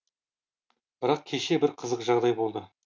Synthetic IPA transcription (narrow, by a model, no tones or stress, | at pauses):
b̥ɪɾɑq̚kʲʰe̞ʃe̞bɪɾqʰəzəqʒɑʁd̪ɑjbo̞lˠd̪ə